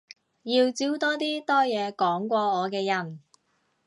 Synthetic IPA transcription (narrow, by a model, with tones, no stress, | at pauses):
jiː˧wt͡siː˨˥wt̪ɔː˥t̪iː˥t̪ɔː˥jɛː˨˧kɔː˨˥ŋkʷɔː˧ɔː˨˧kɛː˧jɐ˨˩n